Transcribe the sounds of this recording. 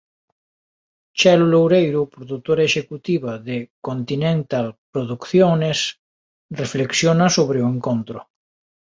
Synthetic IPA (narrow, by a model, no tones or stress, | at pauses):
t͡ʃalulowɾejɾupɾoðut̪oɾaeʃekut̪iβaðekont̪inẽnt̪alpɾoðukθjones | refleksjonasoβɾeueŋkont̪ɾo̰